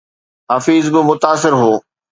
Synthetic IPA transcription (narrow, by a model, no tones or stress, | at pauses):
ɦaːfiːzbɪmʊt̪aːs̬ɪɾɦoː